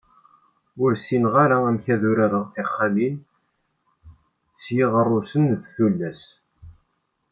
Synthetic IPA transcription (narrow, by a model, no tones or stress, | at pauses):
ʊɾsinʁaɾaæmçæðʊɾaɾəʁɪχːalin | sjiʁərˤːʊsənðθulːæs